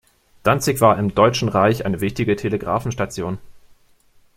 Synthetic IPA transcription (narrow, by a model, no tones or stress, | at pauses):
d̥ant͡sɪkv̥aːɐɪmdɔʏt͡ʃn̩ʁaɪçʔa̰ɪnəvɪçtɪɡətʰeləɡʁa̰ːfn̩ʃtat͡sjoːn